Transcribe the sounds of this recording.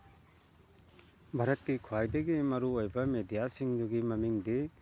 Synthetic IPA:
bʱaɾɐt̚kikʰuajdɐɡimɐɾuojbɐmedijasiŋdɔɡimɐmiŋdi

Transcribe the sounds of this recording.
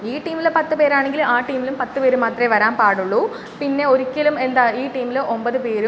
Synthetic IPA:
iːʈiːmilpɐt̪ːɨpe̞ːɾaːɳeŋɡilaːʈːiːmilumpɐt̪ːɨpe̞ːɾumaːt̪rɐeʋɐɾaːmpaːɽuɭːu | pinːe̞o̞ɾikʲːɐlume̞nd̪aːiːʈiːmiluʔo̞mbɐðɨpe̞ːɾu

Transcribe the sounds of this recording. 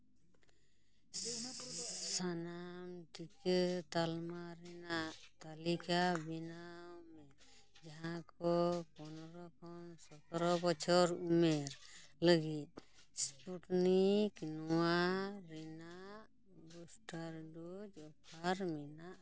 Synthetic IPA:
sanamtikət̪almaɾɛnaʔt̪alikabɛnaumɛɾ | d͡ʒaɦãkɔpɔnɔɾɔkʰɔnsɔt̪ɔɾɔbɔt͡ʃʰɔɾumɛɾləɡit̪̚ | spuʈniknɔwaɾɛnaʔ | busʈaɾɖud͡ʒɔpʰaɾmɛnaʔ

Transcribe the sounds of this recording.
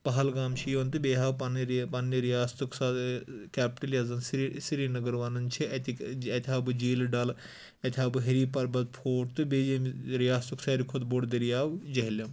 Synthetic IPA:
pɐɦɐlɡaːmʃʰijont̪ɨbeːɦaːwpɐnɾpɐnːiɾijaːst̪ukʰsad̪kʲaːpʈɐljɐzɐnsisiɾinɐɡɐɾʋaːnɐnt͡ʃʰiɐt̪iɐt̪ʲʰaːbɨd͡ʒiːlɖɐl | ɐt̪ʰʲaːbɨɦɐɾiːpɐɾbɐd̪̚pʰoːʈt̪ɨbed͡ʒemɾijaːst̪uksaɾikʰod̪boɽd̪ɐɾijaːwd͡ʒɐɦilɐm

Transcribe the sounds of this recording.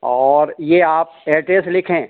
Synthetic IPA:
ɔːɾjeaːp̚eːʈeːslɪkʰẽː

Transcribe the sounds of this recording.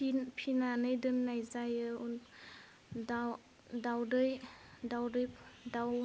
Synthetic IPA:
pʰinanɯjdɯnːajzajɯu | daw | dawdɯjdawdɯjpdaw

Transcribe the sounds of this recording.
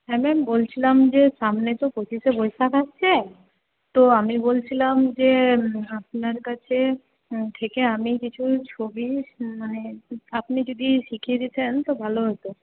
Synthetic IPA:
ɦɛmɛmbolt͡ɕʰilamd͡ʑeʃamnet̪opot͡ɕiʃebojsakatːt͡ɕʰe | t̪oamibolt͡ɕʰilamd͡ʑeap̚naɾkat͡ɕʰe | t̪ʰekeamikit͡ɕʰut͡ɕʰobimaneapnid͡ʑod̪iʃikʰied̪it͡ɕʰent̪obʱaloɦojt̪o

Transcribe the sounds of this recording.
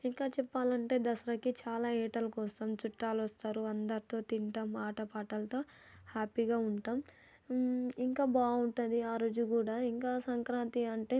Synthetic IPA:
iŋkaːt͡ʃɛpːaːlɐɳʈe̞ːd̪ɐsɐɾɐkit͡ʃaːlaːɛːʈɐlɐkɔːsɐːmt͡ʃuʈːaːlʋɐst̪aːɾuɐnd̪ɐɾit̪o̞ːt̪iɳʈɐmaːʈɐpaːʈɐlɐt̪o̞ː | haːpiɡaːuɳʈaːm | iŋkaːbaːuɳʈund̪iaːɾoːd͡ʒukuːɽaːiŋkaːsɐŋkɾaːnt̪iɐɳʈe̞ː

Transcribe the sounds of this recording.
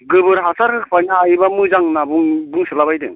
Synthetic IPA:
ɡɯbɯɾɦasʰaɾkʰɯkʰpʰaniajbamɯzaŋnabuŋbuŋsɯlabajdɯ̰ŋ

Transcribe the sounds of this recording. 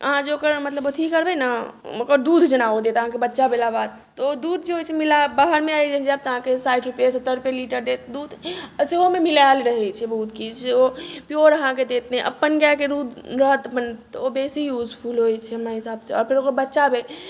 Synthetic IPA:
əɦãd͡ʒeokəɾmət̪ləbot̪ʰikːəɾbɛnaokəɾd̪ud̪ʱd͡ʒənaod̪et̪əɦãkebətːʃabelabad̪̚ | t̪ɔod̪ud̪̚ʱd͡ʒeɦojt͡ʃʰɛmilabaɦəɾmeajd͡ʒəd͡ʒəb̚t̪əɦãkesajʈʰɾupjesət̪ːəɾɾupeliʈəɾd̪et̪d̪ud̪ʱseɦomemilalɾəɦɛt͡ʃʰɛbəɦut̪kid͡ʒt͡ʃʰeopijoɾəɦãked̪et̪ɛ̃ʔə̰pːənɡjakeɾud̪ʱɾəɦət̪əpənt̪ɔobesijud͡ʒpʰulɦojt͡ʃʰɛɦəmnaɦisaːbseɔ̰ːɾpʰeɾokəɾbətːʃabel

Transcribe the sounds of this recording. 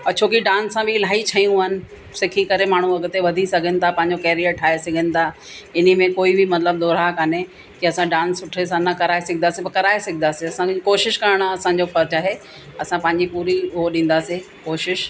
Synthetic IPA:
ɐt͡ɕʰoːkiɖãːnsːãbɪɪlaːit͡ɕʰɐjũaːɦɪnɪ̆ | sɪkʰikɐɾemaːɳ̤ũɐɡət̪eʋɐd̪ʱisɐɡʱənɪ̆t̪ʰapɐ̃ɦɪ̃ɲd͡ʑokɛːɾijəɾʈʰaːesɐɡʱənɪ̆t̪ʰa | ɪn̤imẽkoːibʱɪmɐt̪ləb̚d̪oːɾakane | kiɐsãɖãːnsːʊʈʰes̬ãnɐkɐɾaːesɐɡʱɪnd̪aːsĩpɐkɐɾaːesɐɡʱĩnaːsiɐsãkkoːʃɪʃkɐɾəɽ̃ɐsãɲd͡ʑofɐɾt͡ɕaːɦe | ɐsãpɐ̃ɦɪ̃ɲ̆d͡ʑipuːɾiʊɦoɗĩːn̆d̪aːse | koːʃɪʃ

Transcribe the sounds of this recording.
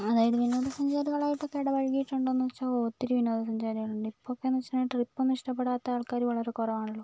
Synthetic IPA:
ɐðaːjɐðɨʋinoːðɐsɐɲd͡ʑaːɾiɣɐɭaːjiʈːokːeɽɐʋɐɻkijiʈːuɳɖonːuʋɐt͡ɕːaoːt̪ːiɾuʋinoːðɐsɐɲd͡ʑaːɾiɣɐɭuɳɖɨipːokːenːuʋɐt͡ɕːɐnːʈːripːɐmniʂʈɐpːeɽaːt̪ːɐaːɭkaːɾuʋɐɭɐɾe̞kurɐʋaːɳiɭːoː

